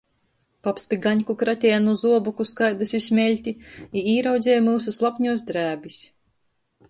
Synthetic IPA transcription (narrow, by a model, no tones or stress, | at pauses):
papspʲiɡaɲʲkukɾat̪ʲɛːanuzuɔbukuskajd̪asismʲɛlʲt̪ʲiiiːɾawd̪zʲeɛːjmɨːs̬uslˠapʲɲuɔs̬d̪ɾæːbʲis